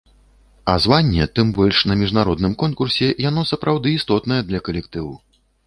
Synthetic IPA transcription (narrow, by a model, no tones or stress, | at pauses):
ɐzvanʲːɛt̪ɨmbɔlʲʂnɐmʲiʐnaɾɔd̪nɨmkɔnkursʲɛjanɔsɐpɾawd̪ɨːst̪ɔt̪nɐjɛd̪lʲɐkɐlʲɛkt̪ɨw